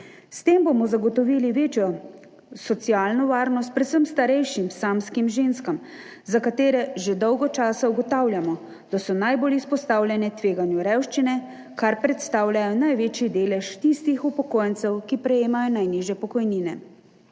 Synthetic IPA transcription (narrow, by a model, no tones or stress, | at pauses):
st̪eːmbomɔzaɡɔt̪ɔʋiːliʋeːt͡ʃjɔ | sɔt̪sijaːlnɔʋaːɾnɔst̪̚pɾɛt̪səmst̪aɾɛjʃimsaːmskimʒeːnskam | zakat̪eːɾɛʒed̪ɔwɡɔt͡ʃaːsauɡɔt̪aːwljamɔ | d̪̥asɔnajbolispɔst̪aːwlʲjɛnɛt̪ʋeːɡanjuɾɛwʃt͡ʃinɛ | kaɾpɾɛt̪st̪aːwljajɔnajʋeːt͡ʃjid̪eːlɛʃt̪ist̪ixupɔkoːjɛnt̪sɛwkipɾɛjeːmajɔnajniʒjɛpɔkɔjniːnɛ̰